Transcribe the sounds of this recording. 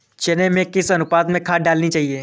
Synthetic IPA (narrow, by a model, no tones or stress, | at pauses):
t͡ʃɛnemẽkɪsɐnʊpaːd̪mẽkʰaːɖaːlnit͡ʃaːɦieː